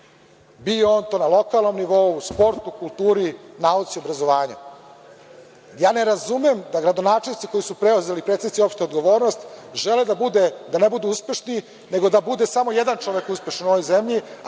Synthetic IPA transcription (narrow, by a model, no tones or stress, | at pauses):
bijo̞ːnt̪onalˠo̞kalˠno̞mniʋo̞uspo̞ɾt̪ukulˠt̪uːɾinaut̪siobɾazo̞ʋaːɲa̰ | jaːne̞ɾazumemd̪aɡɾad̪o̞naːt͡ʂelnit̪siko̞jisupɾeuze̞lipɾet̪enit̪sio̞pʂʃt̪eod̪ɡo̞ʋo̞ːɾnost̪ʒeled̪abud̪ed̪anebud̪uuspe̞ʃni | ne̞ɡo̞d̪abud̪e̞samo̞jed̪ant͡ʂo̞ʋekuspʲe̞ʃanuo̞ʋojzemʎi